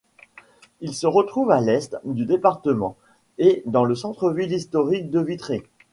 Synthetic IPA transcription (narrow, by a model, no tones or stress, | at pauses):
ilsəʁət̪χuvalɛst̪d̪yd̪epaʁt̪əmɑ̃ | ed̪ɑ̃ləsɑ̃t̪χəvilist̪ɔʁik̚d̪əvit̪χe